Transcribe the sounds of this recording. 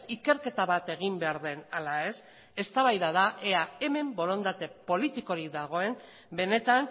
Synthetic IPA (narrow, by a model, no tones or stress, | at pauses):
ike̞ɾke̞t̪aβat̪e̞ɣ̞imbe̞aɾðe̞nalae̞s | e̞st̪aβajðaðaʔeae̞me̞mbo̞ɾo̞nd̪at̪e̞po̞lit̪iko̞ɾikd̪aɣ̞o̞e̞n | be̞ne̞t̪an